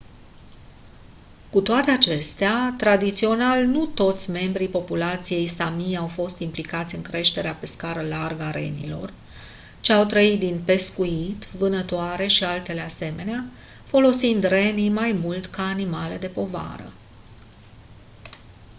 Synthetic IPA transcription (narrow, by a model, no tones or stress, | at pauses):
kut̪oat̪e̞at͡ʃe̞st̪eat̪ɾad̪it̪sio̞nalnut̪o̞t̪sʲme̞mbɾipo̞pulat̪sije̞jsamiawfo̞st̪implikat̪sʲɨŋkɾe̞ʃt̪e̞ɾeape̞skaɾəlarɡaɾe̞̰nḭlo̞̰r | t͡ʃeawt̪ɾəit̪̚d̪inpe̞skuit̪vɨnət̪oaɾe̞ʃialt̪e̞le̞ase̞me̞nea | fo̞lo̞sind̪re̞nimajmult̪kaːnimale̞d̪e̞po̞va̰ɾə̰